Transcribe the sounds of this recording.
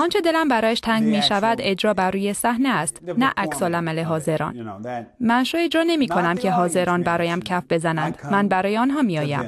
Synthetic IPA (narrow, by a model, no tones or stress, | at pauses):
ɒːnt͡ʃʰe̞d̪e̞læmbæɾɒːjæʃt̪ʰæŋɡmiːʃævæd̪e̞d͡ʒɾɒːbærːuːjesæhneæst̪næʔæcsɒːlæmæleɦɒːze̞ɾɒ̰ːnmænʃɒːjed͡ʒɾɒːne̞miːkʰonæmcʰeɦɒːze̞ɾɒːnbæɾɒːjæmcʰæfbe̞zænænd̪̥mænbæɾɒːjeɒːnɦɒːmiɒːjæ̰m